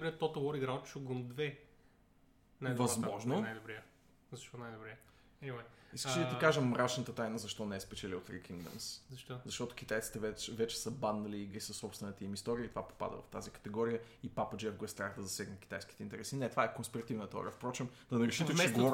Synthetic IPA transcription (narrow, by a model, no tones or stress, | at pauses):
bɾɛt̪ɔt̪əwˠɔɾiɡɾat̪t͡ʃuɡond̪vɛ | najd̪vɐzmɔʒnonajd̪obɾɛ | zɐʃt̪ɔnajd̪obɾɛ | ɛmɛiskəʃid̪əikaʒəmɾat͡ʃnət̪ət̪ajnəzɐʃt̪ɔnɛɛspɛt͡ʃɛliot̪ɾḭkʰiŋɡd̪ə̰mszɐʃt̪ɔzɐʃt̪ɔt̪ʊ̥kʲit̪ajt̪si̥t̪ɛvɛt͡ʃɛvɛt͡ʃɛ̥səbanːɐliːɡɾisəsɔpsvɛnɛt̪əimist̪ɔɾiəit̪ovapo̥pa̰d̪ə̰vɐ̰ft̪a̰zikə̥t̪ɛɡɔɾijə | ipapəd͡ʒɛfɡɛst̪ɾaxd̪əzɐsɛɡnət̪k̟i̥t̪ajsk̟i̥t̪ɛint̪ɛɾɛsinɛt̪ovaɛkonspiɾɐt̪ivnət̪ɔ̰ɾəfpɾɔt͡ʃimd̪ɐnɐɾɛʃit̪ɛt͡ʃɛɡovɔɾ